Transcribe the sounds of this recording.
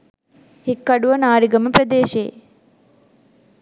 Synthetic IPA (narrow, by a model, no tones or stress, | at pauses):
hikːɐɽuʋɐnaːɾiɡɐmɐpɾɐd̪eːʃḛː